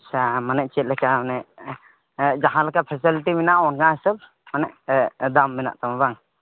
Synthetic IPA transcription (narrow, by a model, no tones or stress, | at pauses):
samanɛʔ̚t͡ʃɛt̪̚lɛkamanɛʔ | d͡ʒaɦãlakapʰɛsiliʈiminaʔɔnɡasəb̚ | manɛʔd̪amːina̰ʔt̪amabaŋ